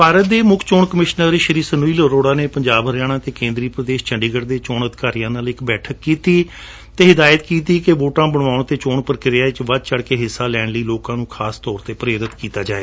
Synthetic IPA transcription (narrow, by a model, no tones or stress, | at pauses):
paːɾət̪̚d̪eːmʊkʰt͡ʃoːɳkəmɪʃnəɾʃəɾiːsənuːiːləɾoːɽaːneːpəɲd͡ʒaːbəɾjaːɽ̃ãːt̪eːkẽːnd̪ɾiːpɾəd̪eːʃt͡ʃəɳɖiːɡəɾd̪eːt͡ʃoːɳəd̪ɪkaːɾijãːnaːlɪkbɛːʈʰəkːiːt̪iː | t̪eːɦɪd̪aːjət̪kiːt̪iːkeʋoːʈãːbəɽaːʊɳt̪eːt͡ʃoːɳpəɾkɪɾaːɪt͡ʃʋəd̪̚t͡ʃəɽkeːɦɪsːaːlɛːɳləiːloːkãːnũːkʰaːst̪ɔːɾt̪eːpɾeːɾɪt̪kiːt̪aːd͡ʒaːeː